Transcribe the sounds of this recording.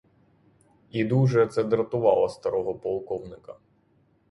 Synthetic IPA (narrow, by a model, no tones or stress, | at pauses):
id̪uʒɛt̪sɛd̪ɾɐt̪ʊʋɑlˠɔst̪ɐɾɔɦɔpɔlˠkɔwnɪkɐ